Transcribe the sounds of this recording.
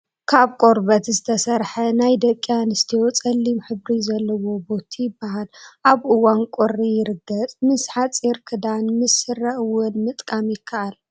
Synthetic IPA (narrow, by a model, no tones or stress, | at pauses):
kʰaβkʼoɾbɐt̪zɨt̪ʰɐsɐɾħɐnajd̪ɐkʼːjanɨst̪ʰijot͡sʼɐlːimħɨβɾizɐlːɐwo̞bo̞t̪ʰijɪbːaɦalʔaβʔɨwankʼorːijɪɾɨɡːɐt͡sʼmɨsħat͡sʼiɾkʰɨd̪anmɨsːɨrːɐʔwʊnmɨt̪ʼkʼamjɪkʰːaʔal